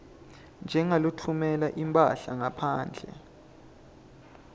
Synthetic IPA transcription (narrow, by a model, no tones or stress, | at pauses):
nd͡ʒʱɛŋalutʰumɛlaʔimpʼa̰ɬaŋapʰaːnd͡ɮʱɛ̰